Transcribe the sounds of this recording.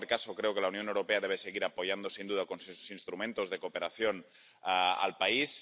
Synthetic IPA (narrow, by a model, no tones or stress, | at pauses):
ɾkasokɾeokelaunjo̞newɾo̞peaðeβ̞eseɣ̞iɾapojand̪osind̪uðakonseso̥sinst̪ɾumẽnt̪ozðekopeɾaθjon | a̰lpais